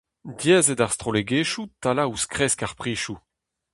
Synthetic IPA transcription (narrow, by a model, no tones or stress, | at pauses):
djɛːzɛdaʁst̪χoleɡeːʃutalauskʁɛskaʁpχiːʃu